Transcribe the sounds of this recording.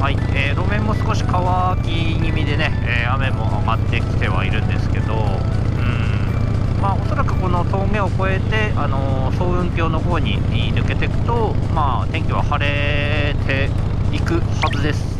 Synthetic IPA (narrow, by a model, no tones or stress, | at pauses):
haieːɾo̞mẽ̞mːo̞sɨ̥ko̞ɕi̥kaβakʲi | ɲimʲid̪e̞ne̞ | eːame̞mo̞ʔaɡat̪ːe̞kʲi̥t̪e̞β̞a̰iɾɯ̟̃nd̪e̞sɨ̥ke̞d̪o̞ | ɯ̟̃ːɴ | maːo̞so̞ɾakɯ̟ko̞no̞t̪o̞ːɡẽ̞oko̞e̞t̪e̞ʔano̞so̞ːɯ̟̃ŋkʲo̞ːno̞ho̞ːɲ̟ḭnɯ̟ke̞t̪e̞kɯ̟̥t̪o̞ | maːt̪ẽ̞ŋkʲiβ̞a̰haɾe̞ | t̪ʰe̞ | ikɯ̟hazɨd̪e̞sɨ̥